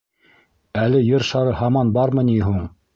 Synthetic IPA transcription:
ælɘjɤɾʃɑɾɤhɑmɑnbɑɾmɤniɦuɴ

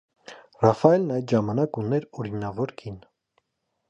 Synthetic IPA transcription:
rɑfɑɛlnɑjɛʒɑmɑnɑkunɛɾɔɾinɑvɔɾkʰin

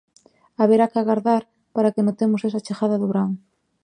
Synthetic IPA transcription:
aβeɾakɪaɣaɾðaɾ | paɾakenot̪emʊsesɐt͡ʃexaðɐðʊβɾaŋ

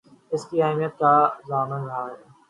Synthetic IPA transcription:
ɪskiaːɦmijət̪̚kazaːmənɾɦaːe

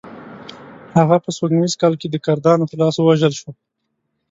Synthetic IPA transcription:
haɣapəswaɡwizkɑlked̪əkaɾd̪ɑnot̪əlɑswəwaʒəlʃwo

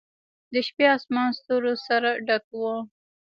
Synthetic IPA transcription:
d̪əʃpeɑsmɑnst̪oɾosaɾaɖakwo

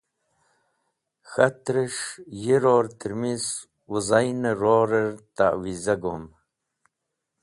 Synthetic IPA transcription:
xɐt̪ɾəʂjiɾoːɾt̪ʰəɾmis | wuzajnəɾoːɾəɾt̪a̰ʔwizɐɡom

